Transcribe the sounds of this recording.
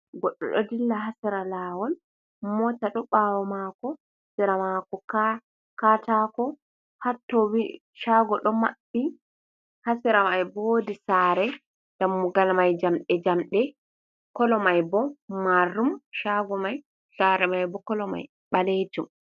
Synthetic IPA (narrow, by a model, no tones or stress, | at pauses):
ɡɔɗːɔ̰ɗɔ̰dilːaɦasiɾalaːwɔl | mɔtaɗɔɓawɔmakɔhsɛɾamakɔka | katakɔ | hatːɔwi | ʃaɡɔɗɔma̰bːi | hasiɾamajbodisaːɾɛ | d̥amːuɡalmajd͡ʒamɗɛd͡ʒamɗɛ | kɔlɔmajbɔmarːumʃaɡɔmaj | saɾɛmajbɔkɔlɔma̰j | ɓaled͡ʒum